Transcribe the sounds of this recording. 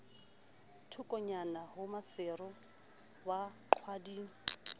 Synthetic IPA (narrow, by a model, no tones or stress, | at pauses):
tʰʊkʼɔɲanahʊmasɪrʊ | waǃʰwadiːŋ̩